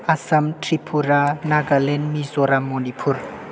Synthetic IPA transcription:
asɐmtɾipʰuɾanaɡalɛnmizoɾamɔnipʰuɾ

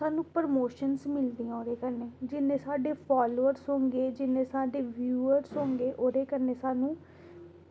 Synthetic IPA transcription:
aːnũːpəɾmoːʃənsmɪld̪iːãːoːd̪eːkəɾneːd͡ʒɪnẽːsaːɖeːpʰaːloːəɾsɦõːŋɡeːd͡ʒɪnẽːsaːɖeːʋjuːəɾsɦõːŋɡeːʔoːd̪eːkəɾneːsaːnũː

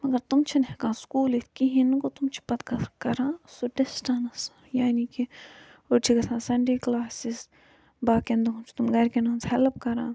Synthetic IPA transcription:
mɐɡɐɾt̪umt͡ʃʰinɐɦkãːskuːlit̪ʰkiɦinkot̪umt͡ʃʰi̥pɐt̪kɐkɐɾãːsuɖesʈaːnɐs | jaːniki | ot͡ʃʰikɐsãːsɐɳɖeːklaːsis | baːkend̪uɦũmt͡ʃʰi̥t̪umɡɐɾkinãːnshɛlp̚kɐɾãː

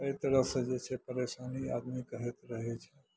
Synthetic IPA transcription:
əet̪ɾəsẽd͡ʒet͡ʃʰɛpəɾesania̰d̪mikəɦɛt̪ɾəɦɛt͡ʃʰɛ

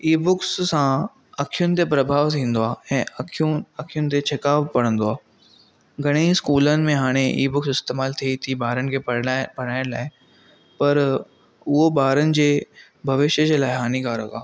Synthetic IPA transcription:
iːbʊkssã | ɐkʰijʊnɪ̆t̪epɾɐbʱaːʋt̪ʰĩːn̆d̪oaːɛ̃ːʔʰuɐkʰijʊnɪ̆t̪̬et͡ɕʰɐkaːʋpɐɽ̤̃ə̃nd̪oaː | ɡʱɐɽ̃iːskuːlənɪ̆mẽɦaːɽ̃eʔḭːbʊksɪst̪eːmaːlt̪ʰiit̪ʰibaːɾənɪ̆kʰeːbɐɽ̃aːɪñlaːɪ | pɐɾ | ʊɦoɓaːɾənɪ̆d͡ʑeː | bʱɐʋɪʃjəd͡ʑeːlaːɪɦaːnikaːɾəkaː

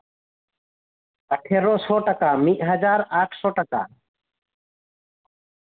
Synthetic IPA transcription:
əʈʰeːɾoːsoːʈəkaːmiʔɦəd͡ʒaːɾaːʈʰsoːʈəka̰ː

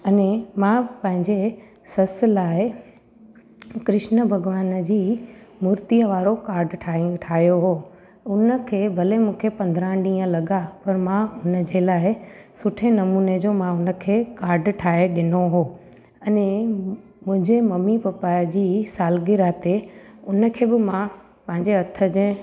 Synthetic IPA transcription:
ɐnẽmãpɐ̃ɦɪ̃ɲd͡ʑe | sɐslaːɪ | kɾɪʃnəbʱɐɡʋaːnd͡ʑiːmuːɾt̪iəʋaːɾokaːɾɖʈʰaːʈʰaːɦijoɦoː | ʊnə̆kʰeːbʱɐlemũːkʰepɐ̃nd̪ʱɾãɗĩːə̃lɐɠapɐɾmãʊnəd͡ʑelaːɪsʊʈʰenɐmuːned͡ʑoːmãʊnə̆kʰeːkaːɾɖʈʰaːɦeɗɪnoɦoː | ɐnẽ | mʊ̃ɦɪ̃ɲd͡ʑemɐmipɐpaːjd͡ʑiːsaːlɡɪɾaːt̪eʊnə̆kʰeːbɪmã | pɐ̃ɦɪ̃ɲd͡ʑeɐt̪ʰə̆d͡ʑẽ

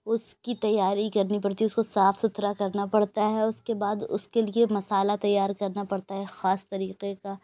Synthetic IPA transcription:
ʊskit̪ɐjːaːɾikɐɾnipɐɽt̪iʊskosaːfsʊt̪ɾakɐɾnapɐɽt̪aɦɛʊskebaːd̪ʊ̰skeliemɐsaːlat̪ɐjːaːɾkɐɾnapɐɽt̪aɦɛxaːst̪ɐɾiːqeka

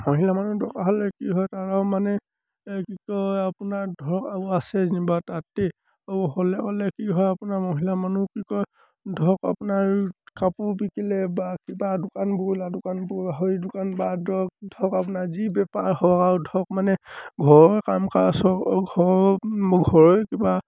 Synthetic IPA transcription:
moɦilamanudʱɔkaɦɔlɛkiɦɔjtaɹawmanɛ | kikɔapunaɹdʱɔkauasɛnibatatɛ | aɦɔlɛkɔlɛkiɦɔjapunaɹmoɦilamanukikɔj | dʱɔka̰punaɹkapubikilɛbakibadʊkanbɔiladʊkanbɔɦɔdʊkanbadʱɔk̚dʱɔkapunaɹzibɛpaɹhɔɔkaɹudʱɔk̚manɛɡʱɔɹɔjkamkasɔkɡʱɔ | ɡʱɔɹɔjkiba

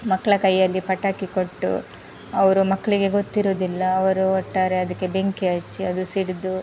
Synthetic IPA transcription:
mɐkːɐɭɐkɐjːɐlːipɐʈːaːkiko̞ʈːṵ | ɐʋɐɾumɐkːɐɭiɡe̞ɡot̪ːiɾoːd̪ilːɐːʋɐɾuɔʈːaːɾe̞ɐd̪ɐkːe̞be̞ŋkiɐt͡ʃːiɐd̪usiɽd̪u

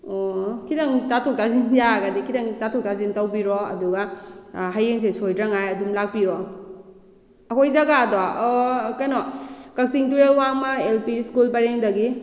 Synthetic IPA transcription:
okʰidɐŋtatʰok̚tazinjaɡadikʰidɐŋtatʰɔk̚tazintawbiɾɔɐ̰duɡaɦajeŋs̬esojdɾɐŋajɐdumlak̚piɾɔ | ɐkojzaɡadaɔkɐnɔkɐk̚siŋtuɾelwamɐelpiskulpaɾeŋdɐɡi

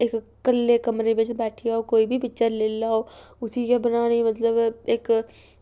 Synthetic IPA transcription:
eːkːɐlːekɐmɾebet͡ʃbɛːʈʰijaɦokoːibʱibɪt͡ʃəɾleːlaɦoʊsikebɐnaːnimɐt̪ləbeːk

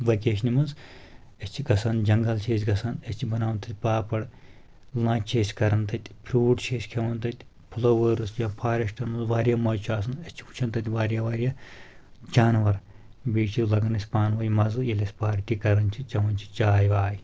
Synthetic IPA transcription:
ʋɐkʲeːʃnʲimɐz | ɐsʲt͡ʃʰiɡɐsɐnd͡ʒɐŋɡɐlt͡ʃʰeːsʲɡɐsɐnɐsʲt͡ʃʰibɐnaːʋnt̪ɐt̪̚ʲpaːpɐɽ | lãːt͡ʃʰeːsʲkɐɾɐnt̪ɐt̪ʲpʰɾuːʈt͡ʃʰeːsʲkʰɐʋɐnt̪ɐt̪ʲ | pʰulɐːʋəːɾɨsʲjapʰaːɾʲɐʃʈɐnmɨnzʋaːɾʲjamɐːjt͡ʃʰaːsɨnɐsʲt͡ʃʰi̥u̥t͡ʃʰɐnt̪ɐt̪ʲʋaːɾijaʋaːɾʲija | d͡ʒaːnʋɐɾbiːt͡ʃʰilɐɡɐnɐsʲpaːnʋɐjmɐzɨjelʲɐsʲpaːɾʈ̪ikɐɾɐnt͡ʃʰit͡ʃɐʋɐnʲt͡ʃʰi̥t͡ʃaːjʋaːj

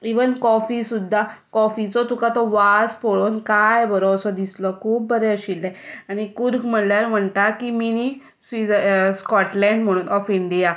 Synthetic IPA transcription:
iʋənkɔfisud̪ʱːakɔfit͡sɔt̪ukat̪ɔʋaspoɭonkajbəɾosɔd̪isləkʰuːp̚ːəɾeəɕilːɛaɽ̃ikuɾɡm̤əɽljaɾm̤əɳt̪akimini | sʋiəskɔʈlɛ̃ɳɖm̤əɽ̃uːnʔɔfiɳɖija

